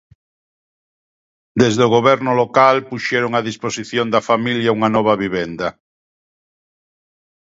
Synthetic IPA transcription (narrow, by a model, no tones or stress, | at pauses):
d̪ezðeoɣ̞oβɛɾnʊlokalpuʃɛɾoŋaðisposiθjond̪ɐfamiljauŋanɔβ̞ɐβiβɛnd̪ɐ